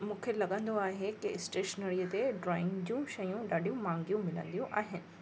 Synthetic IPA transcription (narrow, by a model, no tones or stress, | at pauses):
mũːkʰelɐɠə̃nd̪oaːɦekɪɪsʈeːʃnəɾiːət̪eɖɾɔːɪ̃ŋɡd͡ʑũʃɐjũɗaːɗʱijũmãːŋɡijũmɪlə̰̃nd̪ijũʔaːɦɪnɪ̆